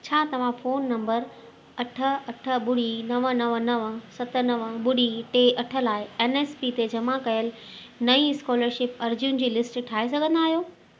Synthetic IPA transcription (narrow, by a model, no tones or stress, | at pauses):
t͡ɕʰaːt̪ɐʋ̤ãfoːnːɐ̃mbəɾ | ɐʈʰə̆ɐʈʰə̆ɓʊɽinɐʋənɐʋənɐʋə̆sɐt̪ə̆nɐʋəɓʊɽ̤iʈeːʔɐʈʰə̆laːɪeːneːspit̪ed͡ʑɐmãkɐjəl | nɐĩɪskɔːləɾʃɪpɐɾd͡ʑʊnd͡ʑiːlɪsʈʈʰaːesɐɡʱə̃nd̪aːɦijoː